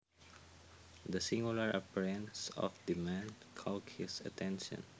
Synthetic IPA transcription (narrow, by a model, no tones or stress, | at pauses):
d̪ɐsĩŋɡulaɹapiɹɛ̃nsɔ̰fd̪imãn | kʰɔlt̚hɪsɐ̰t̪ʰɛ̃nʃɔ̰̃n